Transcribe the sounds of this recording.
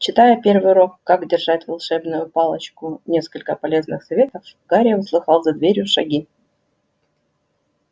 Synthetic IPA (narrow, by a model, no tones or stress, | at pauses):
t͡ɕɪt̪ajəpʲervɨjɾo̞kːakdʲɪrʐatʲvalˠʂɛbnʊjʊpɑlˠət͡ɕkʊnʲe̞skəlʲkəpɐlʲe̞znɨxsɐvʲe̞t̪əfɡ̥aɾʲɪjəʊslˠɨxɑlˠzɐd̪vʲeɾʲjʊʂɐ̰ɡʲi